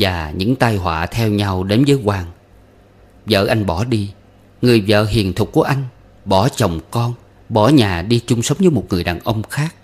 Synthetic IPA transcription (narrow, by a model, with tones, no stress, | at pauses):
vaː˨˩ɲɨ̰˧˥ŋt̪aː˧jɦwa̰ː˧˨t̪ʰɛ˧wɲa˧wɗe˨˦nvəː˨˦jkwaː˧˩ŋ | zə̰ː˧˨ʔa˧jŋ̟ɓɔ˧˩ɗi˧ | ŋɨ˨˩əjvə̰ː˧˨ɦḭ˧˨˩ənt̪ʰʊ˨˩k͡p̚ku˧˩əʔa˧jŋ̟ | ɓɔ˧˩t͡ɕə˨˩wŋ͡mkɔ˧n | ɓɔ˧˩ɲaː˨˩ɗi˧t͡ɕʊ˧ŋ͡msə˨˦wŋ͡mzɨː˨˦mo˨˩t̚ŋɨ˨˩əjɗaː˨˩nʔə˧wŋ͡mxaː˦˥k̚